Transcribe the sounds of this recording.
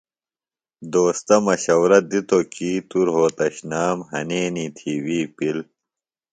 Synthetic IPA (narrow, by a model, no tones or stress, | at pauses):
d̪oːst̪ɐmɐɕɐwɾɐd̪it̪okiːt̪uɾɦoːt̪ɐɕnaːmɦɐneːniːt̪ʰiːwiːpil